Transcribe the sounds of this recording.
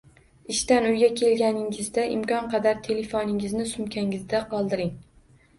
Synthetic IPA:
ɪʃt̪anʊjɡʲakʲʰe̞lɡʲanɪŋɪzd̪aʔɪmkʲɒnqʰɑd̪aɾt̪ʰe̞lefonɪŋɪznɪsʊmkʲʰaŋɪzd̪aqʰɒlˠd̪ɪɾɪŋ

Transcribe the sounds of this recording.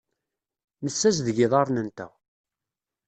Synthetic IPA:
məsːæzðəʝiðˤɑɾˤnənt̪æ̰

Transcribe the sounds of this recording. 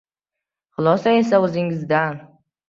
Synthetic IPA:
χʊlˠɒsae̞saɵzɪŋɪzd̪an

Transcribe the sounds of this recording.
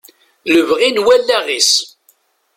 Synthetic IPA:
ləvʁinwælːæʁis

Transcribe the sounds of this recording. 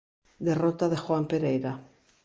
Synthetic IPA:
d̪erot̪aðexwampeɾejɾa

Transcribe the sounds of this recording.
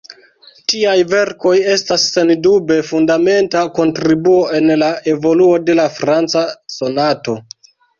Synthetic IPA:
tiajve̞ɾko̞je̞stasːe̞ndube̞fundame̞ntako̞ntɾibuo̞e̞nlae̞vo̞luo̞de̞lafɾant͡saso̞nato̞

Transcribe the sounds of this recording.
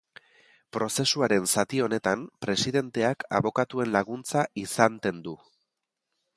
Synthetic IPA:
pɾo̞se̞suaɾe̞nsat̪io̞ne̞t̪ampɾe̞siðe̞nt̪e̞akʰa̰βo̞kat̪ue̞nlaɣ̞unt͡saʔisant̪e̞nd̪u

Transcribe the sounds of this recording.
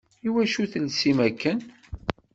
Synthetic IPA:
iwæʃuθəlsimækːən

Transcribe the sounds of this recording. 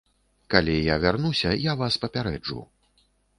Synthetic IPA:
kalʲijavʲarnusʲɐjavaspɐpʲaɾɛd͡ʐṵ

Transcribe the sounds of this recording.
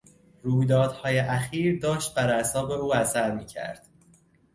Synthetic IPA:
ɾuːjd̪ɒːd̪̥hɒːjeʔæxiːɾd̪ɒːʃt̪̚bæɾæsɒːbe̞uːæsæɾmiːcʰæ̰ɾd̪̥

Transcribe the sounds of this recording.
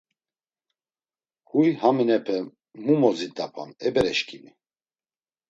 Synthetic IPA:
kujhaminɛpʰɛ | mumɔzid̪apʰa̰nɛbɛɾɛʃkʰʼimi

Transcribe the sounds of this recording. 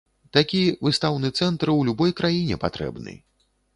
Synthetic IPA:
t̪akʲivɨst̪awnɨt̪sɛnt̪ɾwlʲubɔjkɾajinʲɛ̰pat̪ɾɛ̰bnɨ̰

